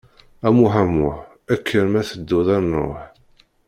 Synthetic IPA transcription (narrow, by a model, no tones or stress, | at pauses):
æmuħæmʊħ | ækːənmæθəd̪ːʊðˤænˤo̰ħ